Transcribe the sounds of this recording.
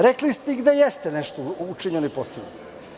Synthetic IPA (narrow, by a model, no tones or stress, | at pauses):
ɾeklist̪eiɡd̪ejest̪eneʃt̪out͡ʃiɲenoiposin